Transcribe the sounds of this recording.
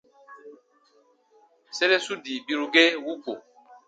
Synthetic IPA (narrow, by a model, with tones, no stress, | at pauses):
se˦le˦su˦di˨bi˦ɾu˦ɡe˦wu˦ko̰˨